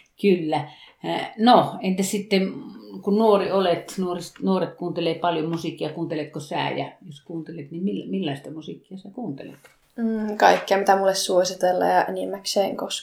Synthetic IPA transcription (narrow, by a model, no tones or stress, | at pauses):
kylːæ | noent̪æssit̪ːemkunnuoriolet̪nuorist̪nuoret̪kuːnt̪eleːpɑljomusikːiɑkuːnt̪elet̪kosæ̰ːjɑ̰joskuːnt̪elet̪nimmilmilːɑist̪ɑmusikːiɑsæːkuːnt̪ḛlḛt̪̩ː | kɑikːeɑmit̪æmulːessuosit̪elːɑ̰ːjɑʔenimːækseːŋkos